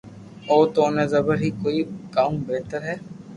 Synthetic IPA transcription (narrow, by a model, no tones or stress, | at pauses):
ɔːt̪oːnezɐbəɾɦikoːikaːũbɛɦt̪əɾɦɛː